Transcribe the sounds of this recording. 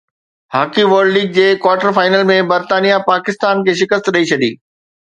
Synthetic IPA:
haːkiʋəːɾɖliːɡ̚d͡ʑeːkwaːɾʈəɾfaːɪnəlmẽbɐɾt̪aːnijapaːkɪst̪aːnkʰeːʃɪkəst̪ɗɐit͡ɕʰɐd̪ḭː

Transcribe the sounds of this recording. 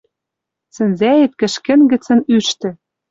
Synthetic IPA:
sɘ̆nzæjet̪̚kɘ̆ʃkɘ̆nɡɘ̆t͡sɘ̆nyʃt̪ɘ̆

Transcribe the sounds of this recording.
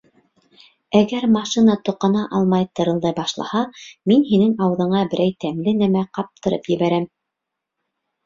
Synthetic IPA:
æɡæɾmɑʃinɑt̪ŏqɑnɑʔɑlˠmɑjt̪ɤ̆ɾɤ̆lˠd̪ɑjbɑʃlˠɑ̰hɑminɦinɘŋɑwɤ̆ðɤ̆ɴɑbɘ̆ɾʔæjt̪æmlɘnæmæqɑp̚t̪ʰɤ̆ɾɤ̰pjɘ̆βæɾæm

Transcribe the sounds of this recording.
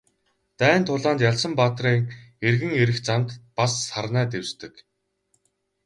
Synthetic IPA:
t̪æːnt̪ʰʊɮaːnt̪jaɮsə̆mpaːt̪riːŋerɣɘ̆ŋeɾɘ̆xt͡samt̪pasːarnæːt̪ewst̪ɘ̆k

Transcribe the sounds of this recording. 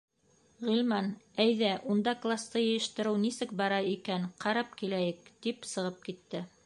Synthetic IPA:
ʁilmɑnæjðæʔund̪ɑklˠast̪ɤjɘ̆j̆jɘ̆ʃt̪ɘ̆ɾɘwnisɘk̚bɑɾɑikænqɑɾɑp̚kilæjɘk̚t̪ipsɤ̆ʁɤp̚kit̪ːɘ

